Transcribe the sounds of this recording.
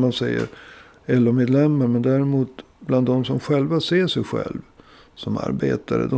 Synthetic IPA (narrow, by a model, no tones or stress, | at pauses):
mansɛjːə̰ɾ | ɛlːɔmeːd̪lɛmːaɾmɛnd̪æːɾɛmuːt̪̚ | bland̪ːɔmsɔmɧɛlvaseːʂɛjɧɛ̰lv | sɔma̰ɾbeːt̪ʰaɾə̰d̪ɔ